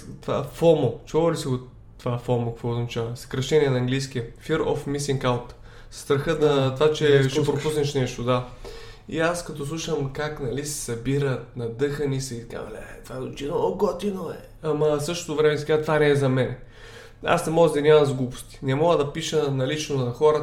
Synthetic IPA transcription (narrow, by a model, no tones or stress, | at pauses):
t̪va̰fɔmot͡ʃɔɐlisiɡo | t̪ːvafɔmokɐkvɔoznɐt͡ʃavɐsɐ̥kɾɐʃt̪ɛniɛnɐːŋɡlijsk̟iəfiɾo̰fmisiŋkalt̪ | sst̪ɾɐxəd̪ɐt̪vat͡ʃɛt͡ʃɛpɾopusnɛʃnɛʃt̪od̪a | ḭaskɐt̪ɔslˠuʃəmkaknɐlisɛ̥sɐbiɾət̪̚nɐd̪ɤxənisəit̪ka̰vlɛ̰ɛt̪vaɛot͡ʃinooɡɔt̪inoɛ̰ | ɐmɐsɤʃt̪ot̪ʊvɾɛmɛsɛɡat̪vanɛːzɐmɛnɛ | a̰snɛmɔɡəzd̪ɐnʲamɐmzɡubʊ̥st̪i̥nɛmɔɡəd̪ɐpiʃənɐlit͡ʃnonɐxɔɾə